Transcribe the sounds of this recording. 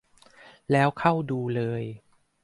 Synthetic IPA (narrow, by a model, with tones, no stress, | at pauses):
lɛː˦˥wkʰa˥˩wduː˧lɤː˧j